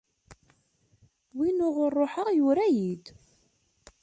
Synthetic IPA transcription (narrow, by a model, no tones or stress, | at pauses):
winʊʁʊrˤːoħəʁjʊɾæjid̪